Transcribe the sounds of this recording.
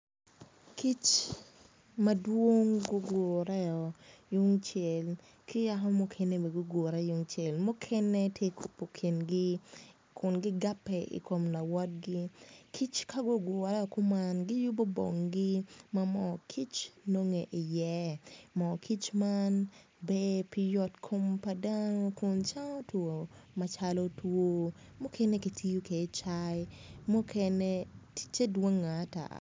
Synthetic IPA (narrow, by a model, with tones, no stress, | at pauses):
kʰi˦t͡ʃ | madwo˦ŋɡo˦ɡo˨ɾɛ˦ɔ˨jʊ˦ŋt͡ʃɛ˨l | ki˦a˦ɦɔ˦mʊ˨kʰɛne˦be˨ɡo˦ɡo˨ɾɛ˦jʊ˨ŋt͡ʃe˨lmʊ˦kʰɛ˦nɛ˦tje˦kʰu˨po˨kʰi˨nɡɪ˦ | kʰʊ˨nɡɪ˦ɡa˦pːɛḭ˨ko˨mna˨wɔ˦d̚ɡi˦kʰi˦t͡ʃka˦ɡo˦ɡo˨ɾɛ˦ɔ˨kʊ˦manɡɪ˦jʊ˦bo˦bo̰˨ŋɡɪ˦mamɔ˨kʰi˦t͡ʃno˦ŋe˨ʔi˨jɛ˦mɔ˨kʰi˦t͡ʃman | be˦pi˦jɔ˦tkʰo˦mpa˦dano˦kʊ˨nt͡ʃa˦ŋɔ˦two˨ma˨t͡ʃalo˦two˦ | mʊ˦kʰe˦ne˦ki˨tʰi˦o˦ke˨˦t͡ʃajmu˦kʰɛne˦ti̥t͡ʃe˦dwo˦ŋːa˨˦ta̰˨